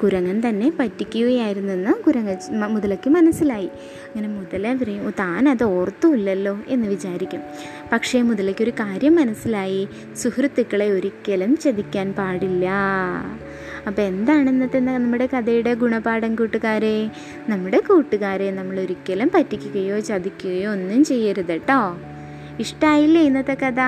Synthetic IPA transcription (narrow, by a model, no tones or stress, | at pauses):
kuɾɐŋːɐnt̪ɐnːe̞pɐtːikʲːuɣɐjaːjiɾunːuenːɨkuɾɐŋːɐmuðɐlokːɨmɐnɐsːilaːji | ɐɐŋːɐne̞muðɐleʋirɐjumt̪aːnɐðɨo̞ːrt̪ːuulːɐlːo̞ːʔe̞nːɨʋit͡ɕaːɾikʲːum | pɐkʂe̞muðɐlokːo̞ɾukaːɾjɐmːɐnɐsilaːji | suhrɨt̪ːikːɐɭe̞o̞ɾikʲːelɐmt͡ɕɐðikʲːaːnpaːɽilːɐ | ɐpːoːe̞nd̪aːɳenːɐt̪ːenːɐnɐmːuɽe̞kɐðɐjuɽe̞ɡuɳɐpaːɽɐmkuːʈːuɣaːɾe̞ | nɐmːuɽe̞kuːʈːuɣaːɾe̞nɐmːɐɭo̞ɾukʲːɐlɐmpɐtːikʲːuɣɐjo̞ːt͡ɕɐd̪ikʲːuɣɐjoːnːumt͡ɕe̞jːɐɾuðɐʈːoː | iʂʈaːjilːejnːɐt̪ːɐkɐðɐ